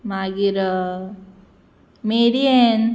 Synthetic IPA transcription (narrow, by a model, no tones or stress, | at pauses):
maːɡiɾ | meːɾien